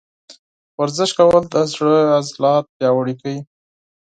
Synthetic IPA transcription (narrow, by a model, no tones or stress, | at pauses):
waɾzɪʃkawəld̪əzɽəazlɑt̪̚pjɑwaɽikai